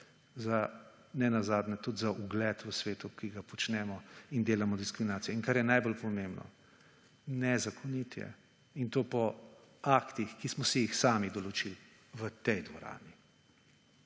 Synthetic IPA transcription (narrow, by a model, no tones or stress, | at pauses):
za | nɛnazaːd̪nɛt̪ud̪zaʔuɡlɛt̪ʋəsʋeːt̪ukiɡapɔt͡ʃnɛmɔind̪eːlamɔd̪iskɾiminaːt̪sijɛiŋkaɾjɛnajbolpɔmeːmbnɔ̰ | nɛzakʰɔnit̪jɛ̰ | int̪oːpɔ | akt̪ixkismɔsɛjixsaːmid̪ɔlɔt͡ʃil | ʋət̪ɛjd̪ʋɔɾa̰ːni